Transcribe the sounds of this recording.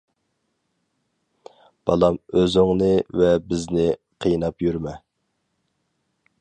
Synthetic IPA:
b̥ɑlˠɑmøzɪŋnɨvɛbɪznɪ | qʰijnɑpjyɾmɛ

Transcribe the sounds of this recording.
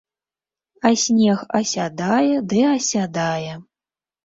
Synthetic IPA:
ɐsʲnʲɛxɐsʲad̪ajɛd̪ɨɐsʲad̪ajɛ

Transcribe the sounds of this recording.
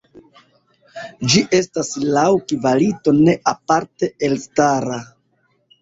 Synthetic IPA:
d͡ʒiʔe̞staslawkivalito̞ne̞ʔapaɾte̞elstaɾa

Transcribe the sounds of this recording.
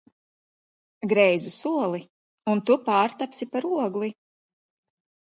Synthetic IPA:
ɡɾɛjzusuɔlˠi | unt̪upaːɾt̪apsipaɾuɔɡlˠi

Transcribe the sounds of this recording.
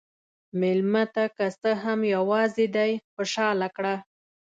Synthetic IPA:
mɪlmat̪akast̪əɦamjawɑzed̪ajxʊʃɑlakɽa

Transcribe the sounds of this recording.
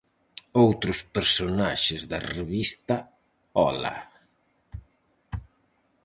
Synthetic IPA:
owt̪ɾʊspeɾsonaʃɪzðɐreβist̪ɐ | ɔ̰la̰

